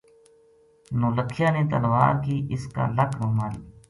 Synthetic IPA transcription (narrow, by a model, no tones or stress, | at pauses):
noːləkʰːɪjaːneːt̪əlʋa̰ːɾkiːʔɪska̰ːləkʰɾʊmaːli